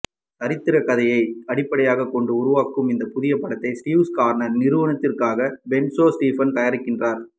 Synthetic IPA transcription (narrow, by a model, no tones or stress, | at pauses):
ɐɾɪt̪ːɪɾɐkɐðɐjɐɪɐɽɪpːɐɽɐjaːɣɐkːɔɳɖɯʊɾʊʋaːkːɯmɪnd̪ɐpʊðɪjɐpːɐɽɐt̪ːɐɪsʈiːʋskaːɾɐnɐɾnɪɾɯʋɐnɐt̪ːɪrkaːɣɐbɛnsoːsʈiːfɐnt̪ɐjɐɾɪkːɪndraːɾ